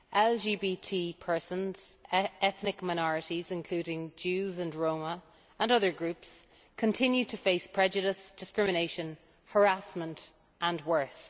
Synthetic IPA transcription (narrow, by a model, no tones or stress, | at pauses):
ʔɛld͡ʒiːbitʰiːpʰɜ˞sə̃nz̥ɛθnɪkmaɪñɔɹɪɾizɪ̃nkʰl̥ʉːɾɪ̃ŋd͡ʒʉːzə̃nɹõʊmə | ə̃nʌðə˞ɡɹʉps | kʰə̃ntʰɪ̃njʉd̚tʰəfeɪspʰɹ̥ɛd͡ʒəɾɪsd̥ɪskɹɪmɪñeɪʃə̃n | hə˞asmə̃nt | ʔə̃nwɜ˞s